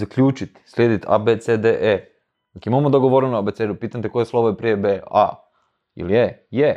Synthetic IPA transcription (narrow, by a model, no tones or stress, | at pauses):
akʎʲuːt͡ʃit̪i̥slʲeːd̪it̪a̰bet̪sed̪eʔe̥ | akimamod̪oɡoʋoɾenuabet̪sed̪upiːt̪anʲt̪ekojeslˠo̞ʋojepɾijebea̰ | ḭlieje